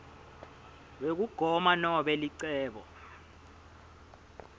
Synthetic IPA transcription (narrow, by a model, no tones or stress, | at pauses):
wek̬uɡ̥ʱɔmanɔɓɛliǀɛːɓɔ̰